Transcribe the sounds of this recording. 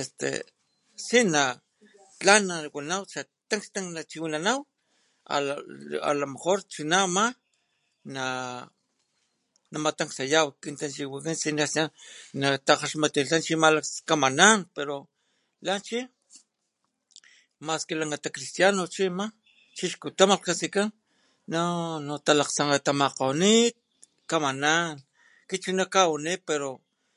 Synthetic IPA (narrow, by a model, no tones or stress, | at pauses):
est̪ḛ | sina | t͡ɬanːawanawt͡ʃat̪aŋkst̪aŋnat͡ʃiwinanaw | a̰a̰lamexoɾt͡ʃinama | na | namat̪aŋksajawkint̪ant͡ʃiwikinsinasanat̪aqaʃmat̪ilant͡ʃimalakskamananpeɾo | lant͡ʃi | maskelaŋɡat̪akɾist̪janot͡ʃima | t͡ʃiʃkut̪amapkasikan | nanot̪alaqt͡saŋat̪amaqawnit̪̚ | kamanan | kit͡ʃunakawanipeɾo